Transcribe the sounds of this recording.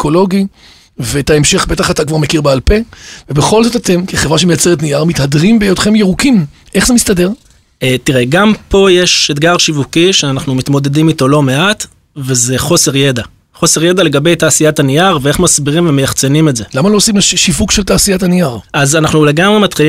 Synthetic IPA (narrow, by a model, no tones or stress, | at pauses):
eko̞lo̞ɡi | vet̪aemʃe̞χbe̞taχatakvaʁmekiʁbealpe̞vebe̞χo̞lzo̞tat̪e̞mkeχevʁaʃemejat͡seʁet̬nijaʁmit̪hadʁimbejodχe̞mjeʁukimʔeχzemist̪ade̞ʁ | etiʁeɡampo̞jeʃedɡaʁʃivukiʃeanaχnumit̪mo̞de̞dimito̞lo̞me̞ʔat | ve̞ze̞χo̞se̞ʁje̞da | χo̞se̞ʁje̞dale̞ɡabe̞jtaːsijatanijaʁvee̞χmasbiʁimvemejaχt͡se̞nimetze̞lamalo̞simleʃʃivukʃeltaːsijatanijaʁazanaχnule̞ɡamʁe̞mat̪χili